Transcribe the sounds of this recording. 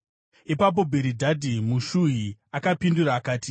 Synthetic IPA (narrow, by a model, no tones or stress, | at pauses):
ipap̬o̞bʱeɾidʱadʱimuʃuɦiakapinduɾaːkaːti̥